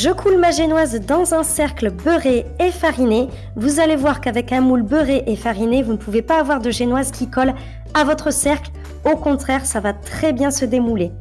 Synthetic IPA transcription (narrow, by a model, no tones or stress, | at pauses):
ʒəkʰulmaʒenwazd̪ɑ̃zɛ̃sɛʁklbøʁeːfaʁine | vuzalevwaʁkavɛkɛ̃mulbøʁeʔefaʁinevunəpuvepaːvwaʁd̪əʒenwazkʲikɔl | avɔt̪χəsɛʁkl | okɔ̃t̪χɛʁsavat̪χɛbjɛ̃səd̪emule